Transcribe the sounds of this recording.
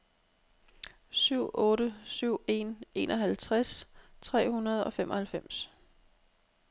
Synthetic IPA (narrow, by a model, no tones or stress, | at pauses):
syʊ̰ɔ̽ːɾəsyʊ̰e̝̰ne̝̰ːnʔɒ̽ɦælt͡sʰʁast͡sʰʁɛ̰ːhunɐð̞̩ˠɒ̽femʔɒ̽hælfem̰s